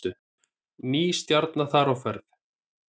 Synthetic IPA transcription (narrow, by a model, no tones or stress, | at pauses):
ʏ | niːst̪jaɾt̪naθaɾawfɛɾθ